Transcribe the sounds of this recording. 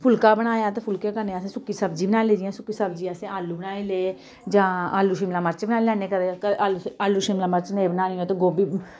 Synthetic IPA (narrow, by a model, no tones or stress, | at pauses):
pʰʊlkaːbəɽ̃aːjaːt̪eːpʰʊlkeːkəneːəsẽːsʊkːiːsəbd͡ʒiːbənaːleːd͡ʒɪjãːsʊkːiːsəbd͡ʒiːaːsẽːaːlːuːbənaːeːleː | d͡ʒãːaːlːuːʃɪmlãːməɾt͡ʃbənaːelɛːneːkəɾeaːlːaːluːʃɪmlaːməɾt͡ʃneːbənaːliõːt̪eːɡoːbiː